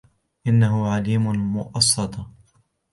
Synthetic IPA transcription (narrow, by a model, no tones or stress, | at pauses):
ʔɪnːaɦʊʕaliːmʊmʊʔɑsˤːɑt̪ˤɑ